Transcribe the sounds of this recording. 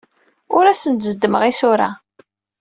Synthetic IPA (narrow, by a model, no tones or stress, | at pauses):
ʊɾæsənt̪zəd̪ːəməʁisʊɾa